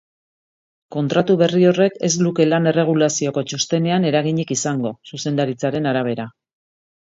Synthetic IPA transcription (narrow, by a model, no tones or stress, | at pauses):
ko̞nt̪ɾat̪uβe̞rio̞re̞ke̞z̬luke̞lane̞re̞ɣ̞ulasio̞ko̞t͡ʃost̪e̞ne̞ane̞ɾaɣiɲikisaŋɡo̞suse̞nd̪aɾit͡saɾe̞naɾaβ̞e̞ɾa